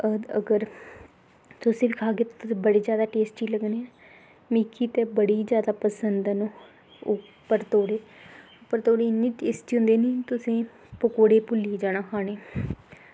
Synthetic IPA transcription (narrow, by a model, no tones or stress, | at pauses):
əəɡəɾ | t̪ʊsẽːbikʰaːkeːt̪ːt̪ʊsẽːbəɽeːzjaːd̪aːʈeːsʈiːləɡneːɛ̃ː | miːkʰːiːt̪eːbəɽiːzjaːd̪aːpəsənd̪ɛnõː | ʊpːəɾt̪oːɽeːʊpəɾt̪oːɽiːɪnːiːʈeːsʈiːʊ̃nd̪eːnĩːt̪ʊsẽː | pəkoːɽeːpʊliːd͡ʒaːnãːkʰaːneː